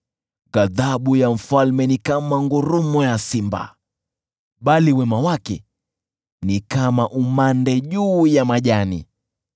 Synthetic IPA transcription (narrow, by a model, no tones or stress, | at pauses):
ɣaðaɓujam̩falmɛnikamaŋɡuɾumɔjasimba̰ | ɓaliwɛmawakɛ | nikamaʔumandɛʄuːjamaʄanḭ